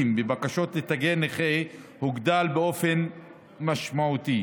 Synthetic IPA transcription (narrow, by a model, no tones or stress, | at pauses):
mbebakaʃo̞t̪let̪aɡeneχe | huɡd̪albeo̞fe̞n | maʃmaut̪i